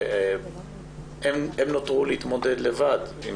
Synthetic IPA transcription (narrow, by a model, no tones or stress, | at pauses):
ememnot̪ʁuleit̪mo̞ded̪levad̪im